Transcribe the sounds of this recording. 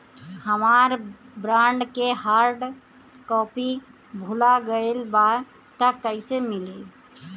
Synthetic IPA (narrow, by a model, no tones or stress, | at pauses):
həmaːɾbɾãːɳɖkeɦaːɾɖ | kɔːpi | bʱulaɡəelba | t̪əkːəɪsemɪle